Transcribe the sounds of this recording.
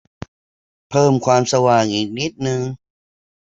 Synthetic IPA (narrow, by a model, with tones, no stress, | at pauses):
pʰɤː˥˩mkʰwaː˧msa˧waː˨˩ŋʔiː˨˩k̚ni˦˥t̪̚nɯ˧ŋ